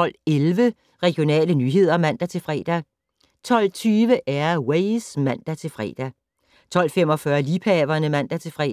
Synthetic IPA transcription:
ɒ̽l̰elʋə | ʁɛɡ̥jo̝nɛ̰ːlənyːɦe̝ð̰ˠɐmæn̰d̥æt͡sʰe̝lfʁɛ̰ːd̥æ | t͡sʰɒ̽l̰t͡sʰyːʋəʔæɐweɪsmæn̰d̥æt͡sʰe̝fʁɛ̰ːd̥æ | t͡sʰɒ̽l̰fem̰ɒ̽fɶɐliːpʰɛːʋɐnəmæn̰d̥æt͡sʰe̝lfʁɛ̰

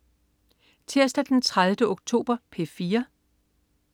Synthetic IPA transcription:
t͡sʰiɐsd̥æd̥ent͡sʰʁaðˠʋd̥əoɡ̥̚t͡sʰo̝̰ːb̥ɐpʰe̝fiːɐ

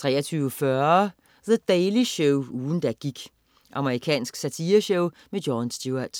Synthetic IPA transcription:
t͡sʰʁɛ̰ːɐt͡sʰyʊəfɶɐ | ðəd̥ɛɪliɕɔʊuːn̩d̥æɡ̥iɡ̥ | ʔɑ̈məʁikʰɛ̰ːnsɡ̥sæt͡sʰiːɐɕɔʊmedjɒnsd̥juɐd̥

